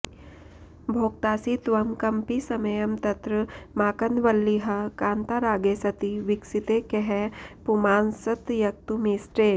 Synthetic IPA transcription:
bʱoːk̚t̪aːsit̪ʋɐmkɐmpisɐmɐjɐmt̪ɐt̪ɾəmaːkɐnʋɐlːiɦɐkaːnt̪aɾaːɡeːsɐt̪iʋiksit̪ekeɦepumaːnsɐt̪jɐk̚t̪umiːsʈɾeː

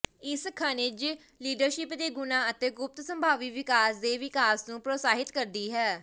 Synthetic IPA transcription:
ɪskʰaːnɪd͡ʒ | liːɖəɾʃɪpd̪eːɡʊnãːət̪eːɡʊp̚t̪səmbʱaːʋiːʋɪkaːsd̪eːʋɪkaːsnũːpɾoːsaːɦɪt̪kəɾd̪iːɦɛː

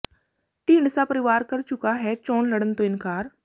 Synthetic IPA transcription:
ʈĩːɳɖsapɐɾɪʋaːɾkɐɾt͡ʃʊkaɦɛt͡ʃɔːnlɐɽənt̪oɪ̃nkaːɾ

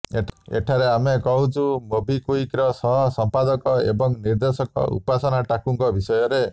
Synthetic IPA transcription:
eḛʈʰaɾeamekɔɦut͡ʃʰumobʱikuikɾɔsɔɦɔsɔmpad̪ɔkɔebɔŋniɾd̪esɔkɔ̰ṵpasɔnaʈakuŋkɔbisɔjɔɾe

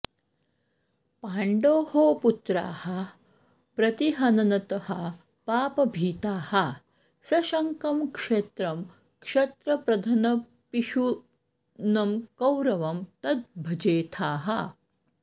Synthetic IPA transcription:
paːɳɖoːhoːput̪ɾa̰ːhɐ | pɾɐt̪iɦɐnɐnɐt̪ɐhɐ | paːpɐbʱiːt̪aːhɐ | sɐʃɐŋkɐmkʂeːt̪ɾɐm | kʂet̪ɾɐpɾɐd̪ʱɐnɐ | piʃu | nɐmkɐwɾɐʋɐmt̪ɐt̪̚bʱɐd͡ʒeːt̪ʰaːɦɐ

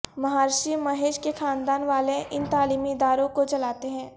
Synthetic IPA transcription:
mɐɦaːɾʃimɐɦeːʃkexʰãːnd̪aːnʋaːleʔɪnt̪aːliːmiɪd̪aːɾõkot͡ʃɐlaːt̪eɦɛ̃ː

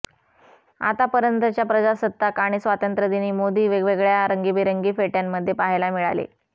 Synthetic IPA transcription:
a̰t̪apəɾjənt̪ət͡ɕjapɾəd͡ʑasət̪ːakaɽ̃isʋat̪ənt̪ɾəd̪iniːmod̪iːʋeɡʋeɡɭjaɾəŋɡiːbiɾəŋɡiːfeʈjamːəd̪ʱːjepaɦelamiɭa̰lḛ

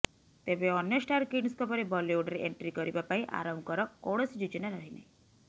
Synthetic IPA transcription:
t̪ebeɔnjɔsʈaɾkinskɔpɔɾebɔlioɖɾeʔeɳʈɾikɔɾibapaĩʔa̰ɾɔmkɔɾɔkoɽɔsd͡ʒut͡ʃinaɾaɦinḛj̃

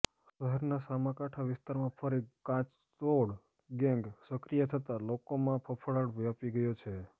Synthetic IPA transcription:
ʃəɦɛɾnasamãkaʈʰaʋɪst̪aɾmãfʰəɾikãt͡ʃ | t̪oɽ | ɡɛ̃ŋɡsəkɾijət̪ʰət̪alokomãpʰəpʰəɭaɽʋapiɡəjot͡ʃʰe

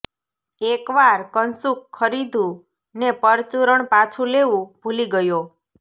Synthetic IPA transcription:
ekʋaɾkənsukʰːəɾid̪ʱũ | nepəɾt͡ʃuɾəɳpat͡ʃʰũleʋũb̥ʱuliɡəjo

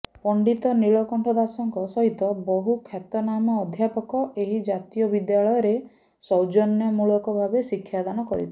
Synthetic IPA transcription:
pɔɳɖit̪ɔniɭɔkɔɳʈʰɔd̪asɔŋkɔsɔɦit̪ɔbɔɦukʰjat̪ɔnamɔːd̪ʱjapɔkɔʔeɦid͡ʒat̪ijɔbid̪jaɭɔjɔɾe | sɔwd͡ʒɔnjɔmuɭɔkɔbʱabesikʰːjad̪anɔkɔɾḭt̪ʰi

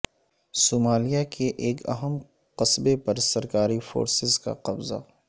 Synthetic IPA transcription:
soːmaːlijakʰeʔeːkɐ̰ɦəm | qɐsbepɐɾsɐɾkaːɾifo̰ːɾsɪzka̰qɐbza̰

